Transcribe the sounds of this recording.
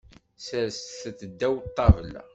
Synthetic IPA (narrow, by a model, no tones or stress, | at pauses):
səɾsθəθəd̪ːæwt̪ˤːɑvəlæ̰